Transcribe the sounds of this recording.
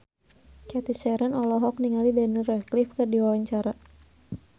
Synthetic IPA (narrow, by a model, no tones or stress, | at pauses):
kɛt̪iʃɛɾanɔlɔɦɔk̚niŋalidanirɛklifkɨrdiwawaɲt͡ʃaɾa